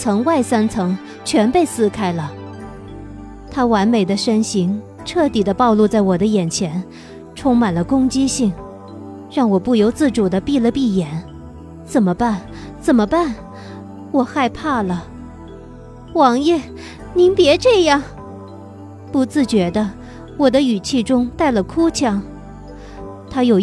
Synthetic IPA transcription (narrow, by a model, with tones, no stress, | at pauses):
t͡sʰɤ˧˥ŋwa˥˩ɪsa˥nt͡sʰɤ˧˥ŋ | t͡ɕʰɥɛ˧˥npe˥˧ɪsɹ̩˥kʰa˥ɪlə˨ | t̪ʰa˥wa˧˥nme˨˩ɪd̪ə˦ʂə˥nɕi˧˥ŋ | ʈ͡ʂʰɤ˥˩t̪i˨˩d̪ə˦pɑ˥˧ʊlu˥˧t͡sa˥˩ɪwɔ˨˩d̪ə˦jɛ˨˩nt͡ɕʰjɛ˧˥n | ʈ͡ʂʰʊ˥ŋma˨˩nlə˦kʊ˥ŋt͡ɕi˥ɕi˥˩ŋ | ɻɑ˥˩ŋwɔ˨˩pu˥˩jo˧˥ʊt͡sɹ̩˥˩ʈ͡ʂu˨˩d̪ə˦pi˥˧lə˧pi˥˩jɛ˨˩˦n | t͡sə˨˩nmə˦pa˥˩n | t͡sə˨˩nmə˦pa˥˩n | wɔ˨˩xa˥˧ɪpʰa˥˩lə˩ | wɑ˧˥ŋjɛ˥˩ | ni˧˥npjɛ˧˥ʈ͡ʂɤ˥˧jɑ˥˩ŋ | pu˧˥t͡sɹ̩˥˩t͡ɕɥɛ˧˥d̪ə˧ | wɔ˨˩d̪ə˦y˨˩t͡ɕʰi˥˧ʈ͡ʂʊ˥ŋt̪a˥˩ɪlə˩kʰu˥t͡ɕʰjɑ˧˥ŋ | t̪ʰa˥jo˨˩ʊ